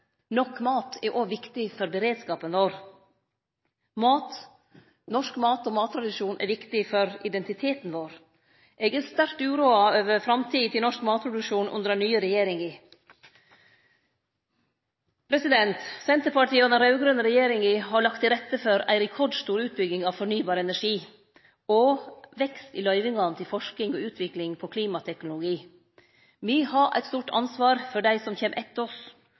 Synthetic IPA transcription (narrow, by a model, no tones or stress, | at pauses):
nɔkːmɑːt̪ʰɛʔoʋɪkt̪ɪfɔɾbəɾeːd̪skɑːpənʋoːɾ | mɑːt̪ | nɔʂkmɑːt̪ɔmɑːt̪ːʰɾɑd̪ɪʂuːnʔɛ̰ʋɪkt̪ɪfɔɾɪd̪ɛnt̪ɪt̪ʰeːt̪nʋoːɾ | ʔɛɡɛɾst̪æɾktʉːɾuːɑøːʋəɾfɾɑmt̪ʰiːt̪ʰɪlnɔʂkmɑːt̪̚pʰɾʊd̪ʉkʃuːnʔʉ̰nd̪əɾænyːəɾɛjeːɾɪŋɪ | pʰɾɛsɪd̪ɛnt̪sɛnt̪əpɑʈiːoːnɑɾɑʉɡɾʉnəɾɛjeːɾɪŋiɦɑɭɑkt̪ɪɾɛt̪ːəfɔɾæ̰ɪɾɛkʰɔɖst̪uːɾʉːt̪̚bʏɡɪŋɑʋfɔɳyːbɑːɾəɛnæʂiː | ɔʋɛkst̪ɪlœʏʋɪŋɑnt̪ʰɪlfɔʂkɪŋɔʉːt̪ʰʋɪklɪŋpʰɔkʰliːmɑt̪ʰɛknʊlʊɡiː | miːhɑʔæ̰ɪt̪st̪uːʈʰɑ̰nsʋɑːɾfɔɖæɪsɔmçeːmʔɛt̪ːɔs